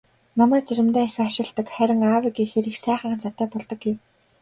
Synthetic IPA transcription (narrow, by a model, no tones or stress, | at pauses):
nɔmæːt͡seɾʲɪ̆mt̪æːex̆aʃɪ̆ɮt̪ə̆kχæɾʲɪ̆ŋaːwĭːɡiːxeɾiːxsæːχə̆ŋ̆nt͡sat̪æːpɔɮt̪ɞ̆kːew